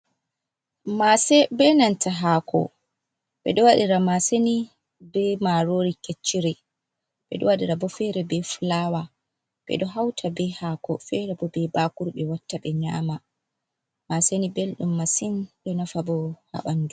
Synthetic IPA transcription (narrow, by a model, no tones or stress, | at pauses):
masɛbɛnantʰaɦaːkɔ̰ | ɓɛ̰ɗɔwaɗiɾamaseni | bɛmaɾoɾiket͡ʃːiɾɛ | ɓɛ̰ɗɔwaɗiɾabɔfɛɾɛbɛfulawa | ɓɛ̰ɗɔɦawtʰabɛhaːkɔfɛɾɛbɔbɛbakuɾɓɛwatːaɓɛɲa̰ːma | masenibelɗumːasinɗɔnafabɔha̰ɓandu